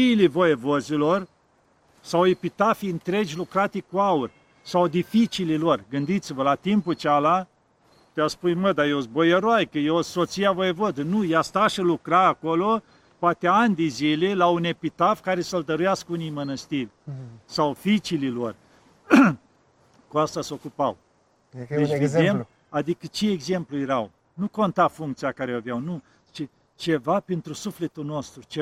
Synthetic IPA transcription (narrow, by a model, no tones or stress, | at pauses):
ilevojevozilor | sawepit̪afiɨnt̪ɾed͡ʒʲlukɾat̪ikuaurʲ | sawd̪ifit͡ʃililorɡɨnd̪it̪sivəlat̪imput͡ʃala | t̪easpujməd̪ajewzbojəɾoajkəjewsot̪sijavojevod̪ənujast̪aʃəlukɾaːkolo | poat̪eanʲd̪ezilelaune̞pit̪afkaɾe̞səld̪əɾujaskəunijmənəst̪ilʲsawfit͡ʃililor | kuast̪aso̞kupaw | d̪et͡ʃvedd̪em | ad̪ikət͡ʃeːɡze̞mplujeɾaw | nuko̞nt̪afuŋk̚t̪sijakaɾeavjawnu | t͡ʃe | t͡ʃe̞vapent̪ɾusufle̞t̪uno̞st̪ɾut͡ʃe